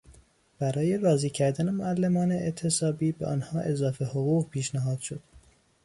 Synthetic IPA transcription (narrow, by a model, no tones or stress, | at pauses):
b̥æɾɒːje̞rɒːziːcʰæɾd̪æne̞moælːemɒːneet̪ʰe̞sɒːbiːbeʔɒ̰nhɒːʔe̞zɒːfe̞hoɣuːɣpʰiːʃnæɦɒːd̪̥ʃo̞d̪̥